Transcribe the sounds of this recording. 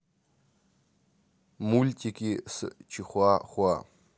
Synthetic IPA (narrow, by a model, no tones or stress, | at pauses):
mulʲtʰikʲʰʼisɨ̰t͡ʃʰiχʷaːχʷaː